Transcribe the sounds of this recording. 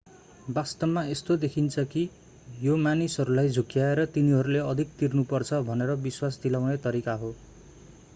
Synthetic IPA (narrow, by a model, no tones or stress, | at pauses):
bast̪ʌbmaest̪od̪ekʰint͡sʰʌki | jomanisɦʌɾulajd͡zʱukjaeɾʌt̪iniɦʌɾuleʌd̪ʱik̚t̪irnupʌrt͡sʰʌbʱʌneɾʌbiswasd̪ilawnet̪ʌɾikaɦo